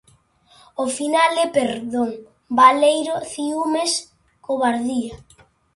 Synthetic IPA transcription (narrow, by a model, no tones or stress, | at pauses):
ofinalɛpeɾðoŋ | balejɾoθiumes | koβaɾðia